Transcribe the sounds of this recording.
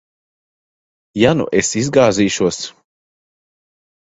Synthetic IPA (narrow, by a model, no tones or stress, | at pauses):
janṵʔesizɡaːziːʃuɔs